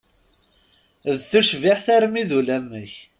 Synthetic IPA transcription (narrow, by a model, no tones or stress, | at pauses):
ðθuʃviħθæɾmiðulæmːəç